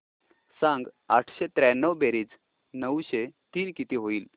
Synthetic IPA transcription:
sãŋɡ | aʈʰɕet̪ɾanːəʋbeɾiːd͡z | nəwɕet̪iːnkit̪iːɦoiːl

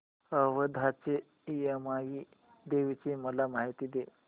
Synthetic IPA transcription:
əʋəd̪ʱat͡ɕe | ijəmaɡi | d̪eʋit͡ɕeməlamaɦit̪id̪e

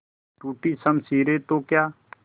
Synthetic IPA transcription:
ʈuːʈisɐmsiːɾet̪okjaː

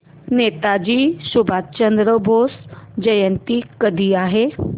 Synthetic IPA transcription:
net̪ad͡ʑiːɕubʱat̪̚t͡ɕənd̪ɾəbʱosd͡ʑəjənt̪iːkəd̪ʱiːaɦe

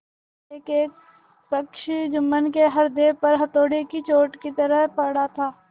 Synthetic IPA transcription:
eːkeːk | pəkʃd͡ʒʊmːənkeɦɐɾd̪eːpɐɾɦɐt̪oːɽikit͡ʃoːʈkit̪ɐɾəɦpɐɽat̪ʰaː

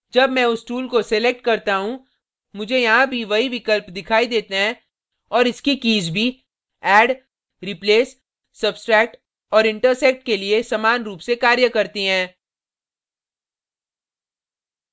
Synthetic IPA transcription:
d͡ʒɐbmɛ̃ːʊsʈuːlkosɛlek̚ʈkɐɾt̪aɦũ | mʊd͡ʒʱejɐɦãbʱiʋɐɦiʋɪkəlpd̪ɪkʰaːid̪eːt̪eɦɛ̃ | ɔːɾɪskikiːzbʱi | ɛːɖ | ɾipleːsː | ɐbsʈɾɛːk̚ʈ | ɔːɾɪ̃ɳʈəɾsɛk̚ʈkeliesɐmaːnɾuːpsekaːɾjəkɐɾt̪iɦɛ̃ː

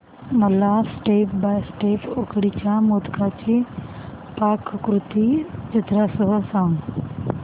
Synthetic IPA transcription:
mɐlasʈeːpbaːjsʈeːpokɽit͡ɕamoːd̪kʰaːt͡ɕi | paːkʰːɾʊt̪id͡ʒɪt̪ɾasʊɦəsãːŋ

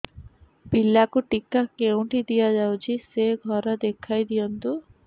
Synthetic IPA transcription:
pilːakuʈikakew̃ʈid̪ijad͡ʒawt͡ʃʰiseɡʱɔɾɔd̪ekʰajd̪ijɔnt̪u

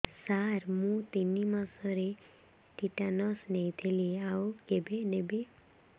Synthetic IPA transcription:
saɾmũt̪inimãsʌɾe | ʈiʈanʌsnejt̪ʰeliawkebenebe

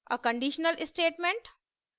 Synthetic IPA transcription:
ə̰kə̃ɳɖiʃnəlɪsʈeːʈmẽɳʈ

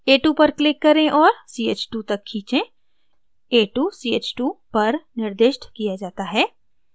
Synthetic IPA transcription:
eːʈuːpɐɾklɪkːɐɾẽʔɔːɾsiːeːt͡ʃʈuːt̪ɐkʰːĩːt͡ʃẽ | eːʈuːsiːeːt͡ʃʈuːpɐɾnɪɾd̪eːʃʈkijad͡ʒaːt̪aɦɛː

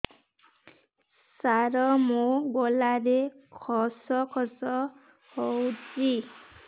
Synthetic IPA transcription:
saɾɔmoɡɔlaɾekʰɔsɔkʰɔsɔ | howd͡ʒi

